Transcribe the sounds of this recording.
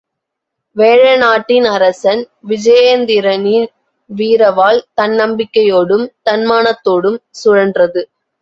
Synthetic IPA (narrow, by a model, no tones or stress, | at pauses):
ʋeːɻɐnaːʈːɪnɐɾɐsɐn | ʋɪd͡ʒɐjɐnd̪ɪɾɐnin | ʋiːɾɐʋaːlt̪ɐnːɐmbɪkːɐjoːɽɯmt̪ɐnmaːnɐt̪ːoːɽɯmsʊɻɐndrɐðɯ